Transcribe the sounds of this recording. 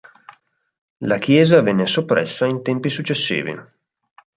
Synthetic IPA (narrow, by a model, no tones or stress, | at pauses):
lakʰjɛːzavɛnːesopːɾɛ̰sːaint̪ɛmpisut͡ʃːesːḭːvḭ